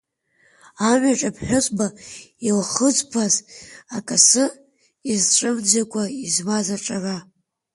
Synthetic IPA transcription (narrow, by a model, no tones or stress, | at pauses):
amʷaʈ͡ʂʼapʰħʷᶣʊsʷʼbailχət͡sʷʼpʰazakʼasɨ | izʈ͡ʂʼɨmd͡zakʷʼaizmazaʈ͡ʂʼara